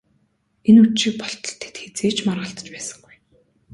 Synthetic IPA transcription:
enuʃiːk̚pɔɬt̪ɞ̥̆ɬt̪ʰe̥t̪xet͡seːt͡ɕmarʁə̆ɬt̪ə̥̆t͡ɕpæːsə̥̆ŋɡuj

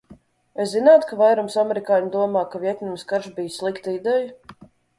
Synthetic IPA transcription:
eszinaːt̪kavajɾumsamɛɾikaːɲd̪uɔmaːkavʲiɛt̪ʲnʲumskaɾʒbʲijsʲlˠikt̪id̪ɛja

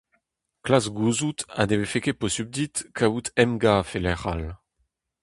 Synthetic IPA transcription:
klasɡuzut̪a̰d̪evefekeposyb̚d̪it̪kʰaut̪ɛmɡafelɛʁal

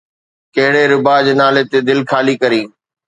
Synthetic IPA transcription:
kɐɦɪɽeɾʊbaːd͡ʑnaːlet̪ed̪ɪlkʰaːlikɐɾĩː

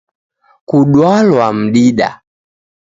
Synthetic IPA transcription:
kuɗwalwam̩ɗiɗa̰

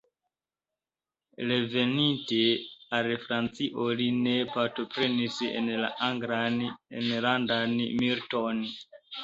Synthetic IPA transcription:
ɾe̞ve̞ninte̞alfɾant͡siʔoline̞paɾto̞pɾe̞nisḛnla̰aŋɡɾanḛnlandanmiɾto̞n

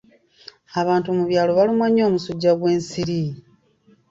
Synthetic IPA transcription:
aβaːntumuβjaːloβalumaɲo̞ːmusuɟːaɣwe̞ːnsiɾi

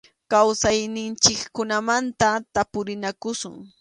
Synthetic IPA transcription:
kawsajnɪnt͡ʃɪkkʊnamant̪at̪apʊɾɪnakʊsʊ̰ŋ

